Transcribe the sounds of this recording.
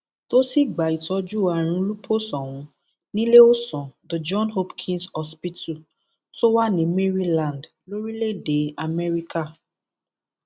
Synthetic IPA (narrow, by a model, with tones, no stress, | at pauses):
to˦si˦˨ɡ͡ba˨i˨tɔ˧d͡ʒu˦˨a˨ɾ̃ũ˧lu˦pʰo˦sɔ̃˨w̃ũ˨˦ | nĩ˦le˦o˦sɔ̃˨do˨d͡ʒɔ̃˦nho˦pkʰĩ˦nsɔ˦spi˦tu˦˨ | to˦wa˦nĩ˨˦me˦ɾi˦lã˨nd | lo˦ɾi˦le˦˨de˨˦a˨mɛ˦ɾi˦ka˦˨